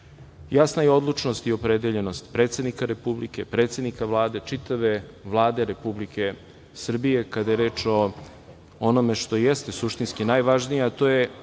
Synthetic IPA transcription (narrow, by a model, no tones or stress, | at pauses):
jasnajeo̞d̪lˠut͡ʂno̞st̪io̞pɾed̪eʎe̞no̞st̪pɾeːt̪se̞d̪nikaɾe̞publikepɾet̪sed̪nikaʋlˠaːd̪e̞t͡ʂit̪aʋe̞ʋlˠaːd̪e̞ɾe̞publike̞ | sr̩bije̞kad̪ajeɾe̞ːt͡ʂo̞ | ono̞me̞ʃt̪o̞jest̪e̞suʃt̪inskinajʋaʒnijaːt̪o̞ːje̞